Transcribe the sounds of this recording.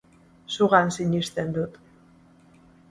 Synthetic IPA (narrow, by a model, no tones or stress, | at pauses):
suɣansiɲist̪e̞nd̪ut̪